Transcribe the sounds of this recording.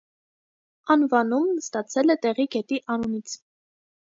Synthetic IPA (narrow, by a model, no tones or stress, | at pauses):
ɑnvɑnumnəst̪ɑt͡sʰɛlɛt̪ɛʁiɡɛt̪iʔɑnunit͡sʰ